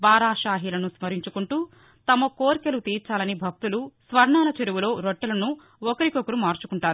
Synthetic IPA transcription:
baːɾaːʃaːɦiːlɐnusmɐɾiɲt͡ʃukuɳʈuː | t̪ɐmɐkoːɾkelut̪iːɾt͡ʃaːlɐnibʱɐk̚t̪ulusʋɐɾɳaːnɐt͡ʃeɾuʋulo̞ːɾoʈːɐlɐnu | ɔkɐɾikɔkɐɾumaːɾt͡ʃukuɳʈaːɾu

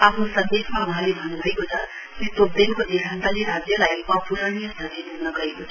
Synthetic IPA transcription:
apʰnosʌnd̪esmawʌɦãlebʱʌnubʱʌekot͡sʰʌ | kit̪ob̚d̪enkod̪ikʰant̪aliɾad͡zjʌlajʌpuɾʌɽ̃ijʌsd̪ʱʌred̪unʌɡʌɦekot͡sʰʌ

